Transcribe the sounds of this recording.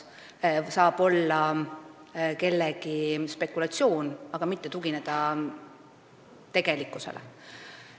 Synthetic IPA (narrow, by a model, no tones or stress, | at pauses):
sɑːb̥o̞lːɑ | ke̞lːeɡ̥ispe̞kːulɑt̪sio̞ːnɑɡ̥ɑmit̪ːe̞t̪uɡine̞d̪̥ɑ | t̪e̞ɡ̥e̞likːˑuse̞̰lḛ